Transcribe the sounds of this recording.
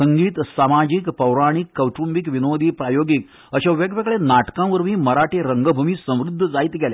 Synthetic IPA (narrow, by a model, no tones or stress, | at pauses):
əŋɡiːt̪samad͡ʑikpəwɾaɽ̃ikːəwʈumbikʋinod̪ʱiːpɾajoɡik | əɕeʋeɡʋeɡɭenaʈkãʋəɾʋiːməɾaʈeɾəŋɡəbʱumiːsə̃w̃ɾud̪ʱːəd͡zaiːt̪ɡʱele